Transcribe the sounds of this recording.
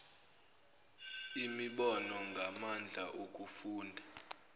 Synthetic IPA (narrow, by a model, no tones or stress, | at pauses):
imiɓɔnɔŋɡʱamand͡ɮʱaʔok̬ʼufuːndʱa